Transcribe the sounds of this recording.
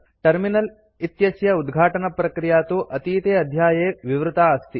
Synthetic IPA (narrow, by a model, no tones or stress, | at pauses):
ʈɐɾminɐl | it̪jɐsjɐud̪ɡʱaːʈɐnɐpɾɐkɾijaːt̪uʔɐt̪iːt̪eːɐd̪ʱjaːjeːʋiʋɾut̪aːst̪i